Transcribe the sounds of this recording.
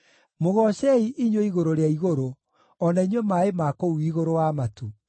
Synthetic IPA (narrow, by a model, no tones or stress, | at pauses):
moɣɔɕɛiʔiɲwoiɣoɾoɾeaiɣoɾo | ɔnaiɲwɛmaːemakouiɣoɾowamatu